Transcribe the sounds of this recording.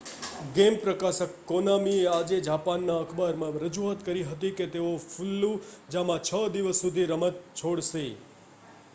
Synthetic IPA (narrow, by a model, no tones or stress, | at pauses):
ɡempɾəkasəkːonamiead͡ʒed͡ʒapanːãəkʰbaɾmãɾəd͡ʒuat̪kəɾiɦət̪̬iket̪eofʰulːũd͡ʒamãt͡ʃʰəd̪iʋəsːud̪ʱiɾəmət̪̚t͡ʃʰoɽse